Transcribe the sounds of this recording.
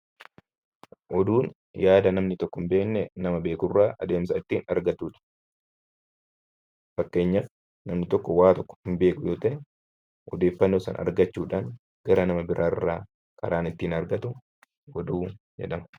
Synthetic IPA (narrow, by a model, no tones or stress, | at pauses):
ʔɔd̪uːn | jaːd̪ɐnɐmnɪt̪ɔkːɔɪmbe̞ːnːɛnɐmɐbe̞ːkʊrːaːʔɐd̪e̞ːms̬ɐɪt̪ːiːnɐɾɡɐt̪ːuːᶑɐ̥ | fɐkːe̞ːɲːɐf | nɐmnɪt̪ɔkːɔwaːt̪ɔkːɔ̥hɪmbe̞ːkʊjoːt̪ɐʔɛ | ʔɔ̰d̪e̞ːfːɐnːo̞ːsɐ̰nʔɐ̰ɾɡɐt͡ʃːuːᶑaːŋ | ɡ̥ɐɾɐnɐmɐbɪɾʔaːɪrːaː | kɐɾaːnɪt̪ːiːnɐɾɡɐt̪ʊ | ɔd̪uː | d͡ʒɛ̰ᶑɐmɐ̥